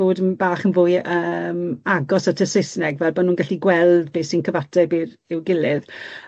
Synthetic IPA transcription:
oːdənbaːχənvʊːjəːmaɡɔsatʰəsɪsnɛɡvɛlˠbanuːnɡaɬiɡwɛlˠdbeːsinkʰəvatʰɛbɪɾ | ɪwɡɪlɪð

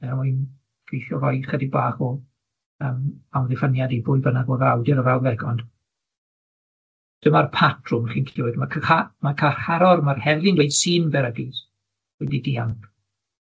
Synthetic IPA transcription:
amujn | fʰijɬɔɾɔj̥χədibaːχɔ | əːmawðɪfənjadibʊɨbənaɡɔðawdɪɾəvawðɛɡɔnd̥ | d̥əmarpʰatʰrʊmχiːnkʰɪwɨdmakʰamakʰaχaɾɔɾmarhɛvlˠɪnwejd̥sɨːnvɛɾəɡɪs | wɛdidianp

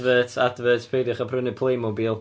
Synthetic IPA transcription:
vətʰadvətʰpʰejdɪχapʰrənɪpʰlˠejmɔbɪlˠ

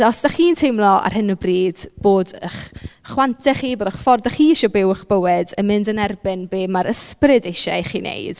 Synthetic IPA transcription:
ɔsd̥aχiːntʰejmlˠɔa̰rhɪnəbriːd̥b̥oːdəχχwantʰɛχiːboːdaχfɔrdaχiːʃɔbɪwəχb̥əwɪdəmɪndənɛrbɪnbeːmaɾʔəsprɪdejʃaχiːnḛjd̥

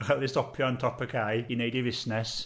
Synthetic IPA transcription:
χaðɪstɔpʰjɔə̃ntʰɔpəkʰajineɪdɪvɪsnɛs

